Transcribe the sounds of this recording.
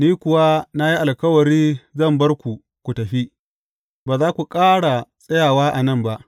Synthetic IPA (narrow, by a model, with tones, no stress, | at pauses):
niː˦kʷʊ˨wa˦na˦ji˦ʔa˨lkɐ˦wɐ˨ɾiː˦zɐ˦˨mbɐ˦rkʷu˨ | kʷu˨tɐ˨ɸi˦ | baː˨zaː˦kʷu˨kʼaː˦ɽa˨sʼɐ˦jaː˨waː˦ʔa˨nɐ˦mba˦ʔ